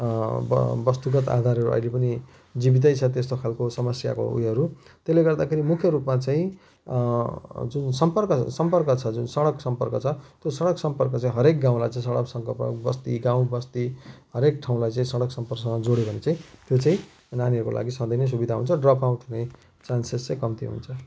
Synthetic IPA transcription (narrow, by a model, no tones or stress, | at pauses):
bʌst̪uɡʌt̪a̰d̪ʱaɾɦʌɾuʔʌ̰ilepʌni | d͡zibit̪̬ʌjt͡sʰʌt̪est̪okʰalkosʌmʌsja̰ko̰ṵjɦʌɾut̪esleɡʌrd̪akʰeɾimukʰjʌɾupmat͡saĩ | d͡zunsʌmpʌrkʌsʌmpʌrkʌt͡sʰʌd͡zunsʌɽʌksʌmpʌrkʌt͡sʰʌt̪josʌɽʌksʌmpʌrkʌt͡saĩɦʌɾek̚ɡãw̃lajt͡saĩsʌɽʌksʌŋkʌpʌ̰bʌst̪iɡãw̃bʌst̪iɦʌɾekʈʰaw̃lajt͡saĩsʌɽʌksʌmpʌrksʌŋʌd͡zoɽjobʱʌnet͡saĩt̪jot͡sãĩ | naniʌɾukolʔa̰ɡisʌ̃d̪ʌjnes̬ubid̪ʱaɦṵnt͡sʰʌɖrʌpaw̃ʈʰune | t͡sansest͡saĩkʌmt̪ḭɦṵnt͡sʰʌ